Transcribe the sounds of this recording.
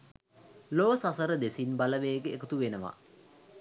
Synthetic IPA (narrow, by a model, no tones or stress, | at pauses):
loʋəsasəɾəd̪esinbaləʋeːɡeːkət̪uʋenəʋa̰